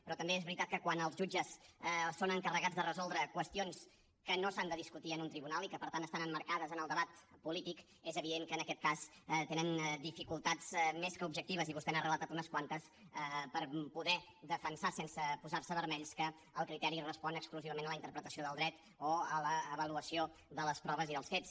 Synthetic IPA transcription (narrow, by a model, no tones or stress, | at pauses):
pɾɔt̪əmbeezβɾit̪at̪kəkwanəlˠzʒud͡ʒəssonəŋkərəɣad͡zðərəzɔlˠd̪ɾəkwəst̪ions | kənosand̪əðiskut̪iənunt̪ɾiβunalˠikəpəɾt̪ant̪ːəst̪anəmːəɾkaðəzənəlˠd̪əβat̪pulit̪ik | ezəβiðeŋkəːnəkɛt̪̚kast̪enənd̪ifikulˠt̪ad͡zmeskəubʒək̚t̪iβ̞əziβust̪ɛnərələt̪at̪unəskwant̪əs | əpəɾpuðɛðəfənsasensəpuzaɾsəβəɾmɛʎskə | əlˠkɾit̪ɛɾirəspɔnəkskluziβəmenələint̪əɾpɾət̪əsioðəlˠd̪ɾɛt̪ | oələːβəluəsioðələspɾɔβəziðəlˠsfet͡s